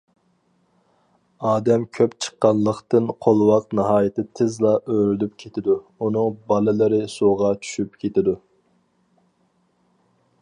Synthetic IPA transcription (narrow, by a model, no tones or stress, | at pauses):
ɑːd̪ɛmkʲʰøpt͡ʃʰə̥qːɑnlˠəχt̪ɨnqʰolˠwɑqnɨɦɑːjɪt̪ɪt̪ʰɪzlˠɑʔøɾɪlyp̚kʲʰet̪ʰɪd̪uunɨŋbɑlˠɨlˠɨɾɨsoʁɑt͡ʃʰy̥ʃypkʲʰet̪ɪd̪u